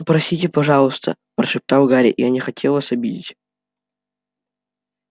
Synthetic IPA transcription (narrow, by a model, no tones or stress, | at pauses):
pɾɐsʲitʲɪpɐʐɑlˠəst̪ʰə̰ | pɾəʂɨp̚t̪awɡaɾʲɪ̰ʔḭjanʲɪxɐtʲʰelˠvasɐbʲidʲɪ̰tʲ